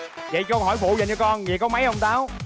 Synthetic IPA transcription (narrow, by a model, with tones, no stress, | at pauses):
və̰˧˨jkɔ˧ɦɔ˧˩jfṵ˧˨zə˨˩nt͡ɕɔ˧kɔ˧nvi˨˩kɔ˨˦ma˨˦jhə˧wŋ͡mt̪aː˨˦w